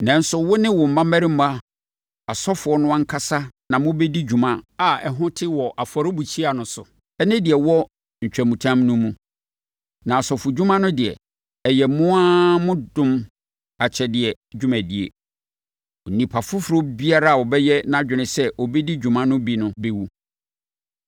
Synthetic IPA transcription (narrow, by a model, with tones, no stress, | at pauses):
nã˨n̩˦sʊ˨wʊ˦nɪ̃˦wɔ˨m̩˨mã˦mæ̃˦ɾĩ˦m̩˦mã˦ | a˨sɔ˦fʊ˨ɔ˦nʊ̃˦a˦ŋ̩˦kʰa˦sa˦nã˨mʊ̃˦bɛ˦di˦d͡ʑᶣu˨mã˦a˨ɛ˨ɦʊ̃˦tʰɪ˦wɔ˨ʔa˨fɔ˨ɾɪ˦bu˨t͡ɕʰi˦a˨nʊ̃˨sʊ˨ | ɛ˦nɪ̃˦dɪ˨ɛ˨wɔ˦ | ɲ̩˨t͡ɕᶣæ˨mũ˨tʰã˦mnʊ̃˦mũ˦ | nã˨a˨sɔ˨fʊ˨d͡ʑᶣu˦mã˦nʊ̃˦dɪ˨ɛ̰˨ | ɛ˨jɛ˨mʊ̃˦a˦mʊ̃˦dʊ̃˦m | a˨t͡ɕʰɛ˨dɪ˨ɛ˨ | d͡ʑᶣʊ˦mæ̃˨di˨ḛ˨ | ɔ˨nĩ˨pʰa˨fʊ˦fʊ˨ɾʊ˦bi˦a˦ɾa˦a˨wɔ˨bɛ˦jɛ˦nã˦˨d͡ʑᶣɪ˨nɪ̃˨sɛ˦ʔɔ˨bɛ˦di˦d͡ʑᶣũ˨mã˦nʊ̃˦bi˦nʊ̃˦be˦wu˦